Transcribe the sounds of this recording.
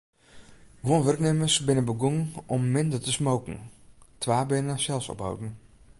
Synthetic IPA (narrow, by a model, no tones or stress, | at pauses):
ɡwonʋɵrkneməsbɪnənbəɡuŋɔmːɪndətəsmowkŋ̩tʰʋaːbɪnəsɛlˠsɔ̰pa̰wdn̩